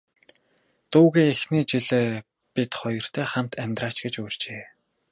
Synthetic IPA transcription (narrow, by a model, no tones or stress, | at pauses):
t̪uːɣeːexniːt͡ɕiɮeː | pit̪χɔjɞ̆r̥t̪ʰæːχam̥t̪ʰæmʲt̪raːt͡ɕɡet͡ɕujr̥t͡ɕeː